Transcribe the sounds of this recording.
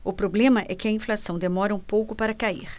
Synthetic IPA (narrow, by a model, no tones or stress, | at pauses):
ʊpɾoblẽmɐʔɛkɪɐĩflasɐ̃w̃d̪emɔɾɐũpowkʊpaɾɐkaḭɾ